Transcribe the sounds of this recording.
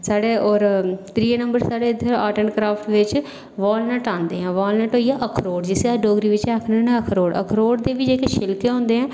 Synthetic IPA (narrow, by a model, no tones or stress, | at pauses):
saːɽeːʔɔːɾt̪ɾiːenə̃mbəɾsaːɽeːɪd̪ʱəɾaːʈəɳkɾaːfʰʈʋɪt͡ʃ | ʋaːlnɛʈãːnd̪ḛːɦɛ̃ːʋaːlnɛʈɦoːiːaːʔəkʰɾoːɖd͡ʒɪseaɖoːɡɾiːʋɪt͡ʃɛːkʰnenɛ̃ːəkʰɾoːɽə̰kʰɾoːɖd̪eːʋiːd͡ʒeːkeʃɪlkeːɦõːnd̪eːɦɛ̃ː